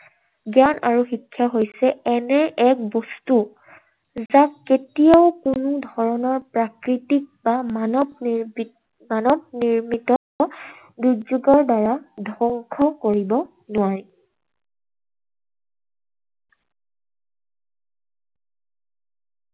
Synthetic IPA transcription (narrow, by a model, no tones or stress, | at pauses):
ɡjanaɹuxikʰːjaɦojsɛɛnɛʔɛk̚bɔstu | zaketijaʊkʊnʊdʱɔɹɔnɔɹpɹakɹitik̚bamanɔb | manɔb̚niɹmitɔ | ɔ | dud͡ʒuɡɔɹdaɹadʱɔŋkʰɔkoɹibɔ | nʊwaɹi